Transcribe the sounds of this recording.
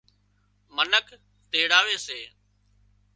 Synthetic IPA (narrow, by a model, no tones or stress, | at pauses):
mənək | t̪eːɽaːʋeːseː